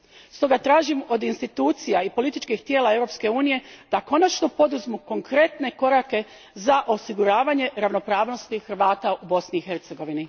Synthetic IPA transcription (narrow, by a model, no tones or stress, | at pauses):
st̪o̞ɡat̪ɾaːʒimo̞d̪inst̪it̪uːt̪sijaipolit̪it͡ʃkixt̪je̞ːlae̞ʋɾo̞pske̞uːnije̞d̪̥ako̞nat͡ʃnopo̞d̪uzmuko̞ŋkɾe̞t̪ne̞ko̞ɾake̞ | zaʔo̞siɡuɾaːʋaɲe̞ɾaʋno̞pɾaːʋno̞st̪ixəɾʋaːt̪aubo̞sniːxe̞ɾt̪se̞ɡo̞ʋini